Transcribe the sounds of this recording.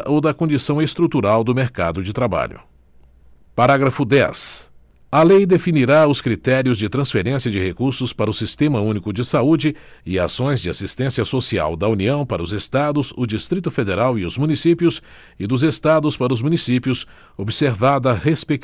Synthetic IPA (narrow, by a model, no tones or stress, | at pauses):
ʔowd̪ɐkõd͡ʒisɐ̃w̃est̪ɾut̪uɾawd̪ʊmeɾka̰d̪ʊd͡ʒɪt̪ɾaba̰ʎʊ̰ | paɾaɡɾɐfʊd̪ɛ̰s | ɐlejd̪efiniɾaʊskɾit̪ɛɾiʊzd͡ʒɪt̪ɾɐ̃sfeɾẽsiɐd͡ʒɪhekuɾsʊspaɾɐʊsist̪ẽmɐũnikʊd͡ʒɪsaud͡ʒɪɪa̰sõj̃zd͡ʒɪasist̪ẽsiɐsosia̰wd̪ɐuniɐ̃w̃paɾɐʊzest̪ad̪ʊzʊd͡ʒist̪ɾit̪ʊfed̪eɾawɪʊzmunisipjʊs | ɪd̪ʊzest̪ad̪ʊspaɾɐʊzmũnisipjʊs | obɪseɾvad̪ɐhespek